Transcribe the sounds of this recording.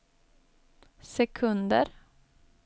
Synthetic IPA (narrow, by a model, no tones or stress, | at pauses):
sɛkʰɵnd̪ə̰ɾ